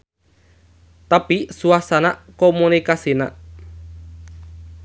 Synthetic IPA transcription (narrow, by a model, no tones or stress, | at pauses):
t̪apisuasanakomunikasina̰ʔ